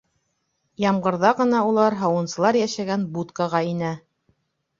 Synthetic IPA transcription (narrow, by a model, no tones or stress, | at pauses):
jɑmʁɤ̆ɾðɑʁɤ̆nɑulˠɑɾɦɑwɤ̆nsɤ̆lˠɑɾjæʃæɡænbut̪kɑʁɑinæ